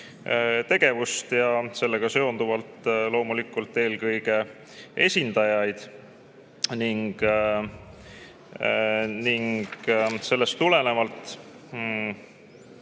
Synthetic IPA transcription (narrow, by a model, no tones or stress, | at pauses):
t̪e̞ɡ̥e̞vust̪jɑse̞lːe̞ɡ̥ɑse̞o̞nd̪uvɑlt̪lo̞ːmulikːˑult̪ːˑe̞ːlkɤjɡ̥e̞ | e̞sʲind̪̥ɑjɑjd̪̥ | niŋɡ̥ | niŋɡ̥se̞lːe̞st̪ːule̞ne̞mɑlt̪ˑ